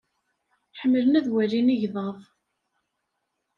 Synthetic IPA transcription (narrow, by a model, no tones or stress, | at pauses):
ħəmːələnæðwæɾiniʝðˤəðˤ